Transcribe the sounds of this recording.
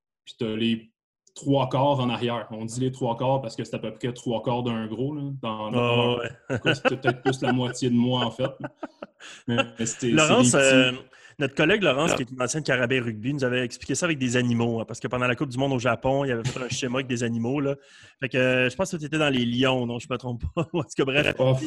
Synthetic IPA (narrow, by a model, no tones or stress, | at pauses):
pi̥t̪yɐle | t̪χwakɑːʁɑ̃naʁjɛːʁɔ̃d̪ilet̪χwakɑːʁpaʁsə̥kəse̥t̪apəpχɛt̪χwakɑːʁd̪ə̃ɡʁolʌd̪ɑ̃ɛwɛkse̥t̪ɛpət̪ɛt̪̚plʏslamwat͡sjed̪əmwaɑ̃fɛt̪̚ | mɛɛse̥t̪ɛlɔʁɑ̃s | nɔt̪χə̥kɔlɛɡlɔʁɑ̃skʲiet̪ynɑ̃sjɛ̃nkaʁabɛʁyɡ̚binuzavɛɛkspli̥kcʲesʌaːvɛk̚d̪ezanimopaʁsə̥kəpɑ̃d̪ɑ̃lakʊp̚d̪ymɔ̃d̪oʒapɔ̃ilavɛfɛt̪ɛ̃ʃemaɛk̚d̪ezanimolʌ | fɛkøʒəpɑ̃skət̪yet̪ɛd̪ɑ̃leljɔ̃nɔ̃ʒəmət̪ʁɔ̃ppːɔpskəbʁɛfɔf